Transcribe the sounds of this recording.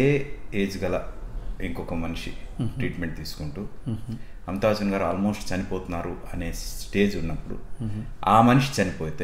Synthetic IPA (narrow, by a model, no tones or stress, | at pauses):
eːeːd͡ʒɡɐlɐiŋkɔkɐmɐniʂiʈɾiːʈme̞ɳʈ̚t̪iːsu̥kuɳʈuː | ɐmt̪ɐʋɐt͡ʃɐnɡaːɾuaːlmo̞ːsʈt͡ʃɐnipoːt̪unːaːɾuɐne̞ːsʈe̞ːd͡ʒunːɐpːuɽṵ | aːmɐniʂi̥t͡ʃɐnipoːt̪e